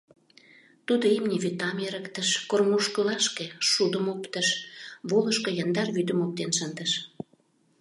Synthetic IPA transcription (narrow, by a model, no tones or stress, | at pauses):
t̪ud̪oemnʲiβyt̪ːɑmeɾəkt̪əʃkormuʃkəlɑʃkeʃud̪əmopt̪əʃβoləʃkojɑnd̪ɑrβyd̪əmop̚t̪enʃənd̪əʃ